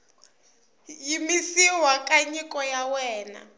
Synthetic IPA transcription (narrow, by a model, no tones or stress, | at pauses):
jimisiwakʼaɲikʼɔjawɛːna̰